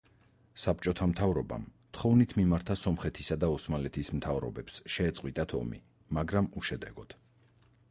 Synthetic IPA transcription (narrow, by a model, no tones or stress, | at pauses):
sap̚t͡ʃʼɔt̪ʰamt̪ʰavɾɔba̰mt̪ʰχɔvnit̪ʰmimaɾt̪ʰasɔmχɛt̪ʰisad̪aɔsmalɛt̪ʰismt̪ʰavɾɔ̰bɛpsʃɛːt̪sʼqʼwit̪ʼat̪ʰɔ̰mḭ | maɡɾamuʃɛd̪ɛɡɔd̪̥